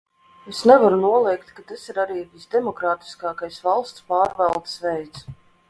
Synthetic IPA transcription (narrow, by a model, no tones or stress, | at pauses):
esnɛvaɾunuɔlˠɛjkt̪kat̪asiɾaɾiːvʲisd̪ɛmɔkɾaːt̪i̥skɑːkajsvalˠst̪spaːɾvɛlˠt̪svɛjt̪s